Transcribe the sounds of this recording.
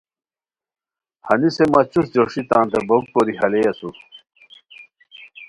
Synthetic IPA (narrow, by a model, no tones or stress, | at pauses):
hɐnisemɐt͡ɕusd͡ʑoʂit̪ãːnt̪ɐbok̚koɾiɦɐlejɐsu